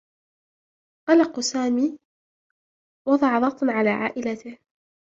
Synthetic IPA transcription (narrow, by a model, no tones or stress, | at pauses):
qɑlɑqsaːmiː | wɑd̪ˤɑʕɑðˤɑqt̪ˤnʕalaːʕa̰ːʔɪlat̪ɪh